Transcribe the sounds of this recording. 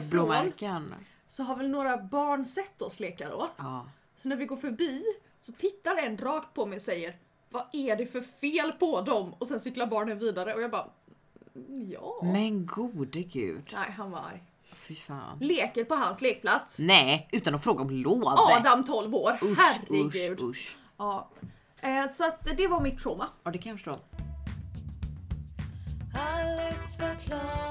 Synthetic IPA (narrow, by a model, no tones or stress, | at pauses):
blomɾkən | sɔɦaɾvɛlnoːɾabɑːɳsɛt̪ːɔsleːkadɔ̰ | sɔnæɾvɪɡoːɾfœɾbiː | sɔt̪ʰɪt̪ːaɾɛnːɾɑːkt̪̚pʰɔmɛjɔsɛjːəɾ | vaʔæɖɛfœɾfeːlpʰɔd̪ɔmɔsɛnsʏkːlaɾbɑːɳənviːd̪aɾəɔjɑɡbɑː | jɑ̰ːmɛnɡuːd̪əɡʉ̰ːd̪ɛɦanva̰ɾ | fɪfa̰ːnleːkəɾpɔɦansleːk̚pʰlat̪snɛːʔʉ̟ːt̪anɔfɾoːɡaɔmloːdɑd̪amt̪ʰɔlvoːɾʊhæɾɡʉ̟ːd̪ʊʂ | ɑː | sɔat̪d̪ɛvaɾmɪt̪ʰːɾuːmad̪ɛkʰanjafəʂʈoː | alɛsfəkʰla